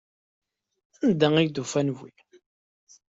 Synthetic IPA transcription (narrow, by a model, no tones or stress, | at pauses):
ænd̪æŋijd̪ufænvḭ